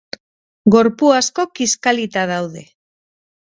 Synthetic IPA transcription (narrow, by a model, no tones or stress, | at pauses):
ɡo̞ɾpuasko̞kiskalit̪aðawðe̞